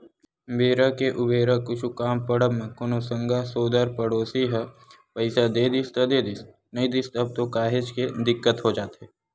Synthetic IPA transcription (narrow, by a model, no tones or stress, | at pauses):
beːɾakeʔʊbeːɾakʊt͡ʃʰukaːmpəɽəbmẽkonosə̃ŋɡʱasoːd̪əɾpəɽoːsiɦɛ | pɐɪsad̪eːd̪ɪst̪ɐd̪eːd̪ɪs | nɐɦĩd̪ɪst̪ɐb̚t̪okaːɦet͡ʃked̪ɪkːət̪ɦod͡ʒaːt̪ɦɛ